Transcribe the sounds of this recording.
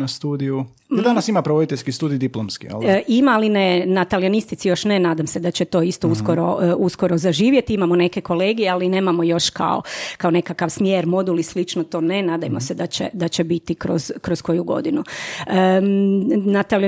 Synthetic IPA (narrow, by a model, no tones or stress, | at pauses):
nast̪uːd̪iju | d̪anasimapɾeʋod̪it̪eʎʲskist̪uːd̪ijd̪iplˠomskḭo̰ldʔimaːlinenat̪alionist̪it̪sijo̞ʃnenaːd̪amsed̪at͡ɕet̪o̞ist̪o̞usko̞ɾo̞usko̞ɾozaʒiːʋje̞t̪iimamo̞ne̞ke̞ko̞le̞ːɡijealine̞ːmamo̞jo̞ʃka̰o̰kao̞ne̞kakaʋsmjeːɾmo̞d̪ulislit͡ʃnot̪o̞ːne̞naːd̪ajmosɛd̪at͡ɕḛd̪at͡ɕebit̪ikɾo̞̰z̥kɾo̞sko̞juɡo̞̰d̪inuə | nat̪ali